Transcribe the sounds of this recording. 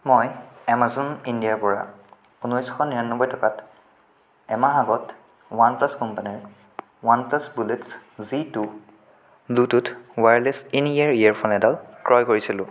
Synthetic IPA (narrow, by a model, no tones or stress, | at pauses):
mɔjɛmazɔnindiaɹpɔɹa̰ | unɔjsxɔniɹanːɔbɔjtɔkat | ɛmaaɡɔt | wanplaskɔmpaniɹ | wanplasbuletszitu | blututwaɹlesiniaɹiaɹpʰɔnɛdalkɹɔjkoɹisilʊ̰̃